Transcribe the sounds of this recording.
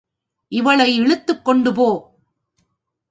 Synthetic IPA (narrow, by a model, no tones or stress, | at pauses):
ʔɪʋɐɭɐɪɛɭɯt̪ːɯkːɔɳɖɯpoː